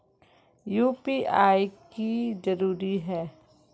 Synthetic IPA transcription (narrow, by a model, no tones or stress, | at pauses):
juːpiːʔaːikid͡ʒɐɾuːɾiɦɛː